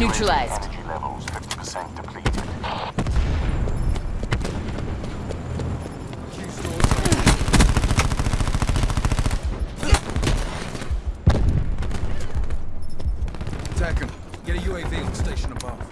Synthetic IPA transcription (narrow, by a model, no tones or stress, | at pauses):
jʉˑt͡ʃɹ̥əlaɪzɛnədd͡ʒilɛ̰və̰l̩ˠz̥fɪfti̥pʰəsɛ̃nd̥ɨpʰl̥ḭˑtɪ̰d̥ | d͡ʒʉstɔːz | tʰɛkə̃n | ɡ̥ɛɾɨjʉeɪvĩn̩steɪʃə̃nəbɑv̥